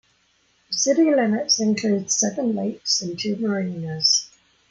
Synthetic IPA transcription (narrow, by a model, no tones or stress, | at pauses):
əsɪdɪ̃lɪmɪtsɪ̃nkʰl̥ʉːd̥sɛvə̃nleɪksə̃ntʰʉːməɹĩːnəz̥